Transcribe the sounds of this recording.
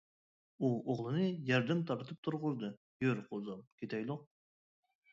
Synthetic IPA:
uoʁlˠɨnɨjɑɾd̪ɛmt̪ʰɑɾt̪ʰɨp̚t̪ʰʊɾʁʊzd̪ɨ | jøɾqʰozɑmkʲʰet̪ɛjlˠoq̚

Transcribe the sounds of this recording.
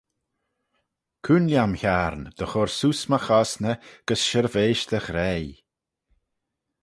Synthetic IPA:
kʰunljamçaɾnd̪̥əxɔɹsuːsməxɔsnəɡ̥əsʃəɾveːʃd̪̥əxɾɛj

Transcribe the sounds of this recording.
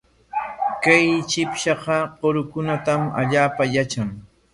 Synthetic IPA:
kajt͡ʃɪpʃɑqɑqoɾʊkʊnat̪ama̰ʎaːpajat͡ʃaŋ

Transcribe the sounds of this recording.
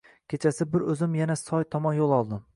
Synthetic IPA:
kʲʰet͡ʃʰasɪbɪɾɵzɪmjanasɒjt̪ʰɒmɒnjolˠɒlˠd̪ɪm

